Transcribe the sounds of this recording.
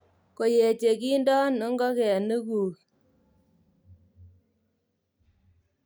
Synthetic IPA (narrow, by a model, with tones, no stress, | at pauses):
ko˨je˨t͡ʃe˨ki˦ndɔ˦nɔ˦ŋɡɔ˦kɛ˨nɨ˦kuː˨k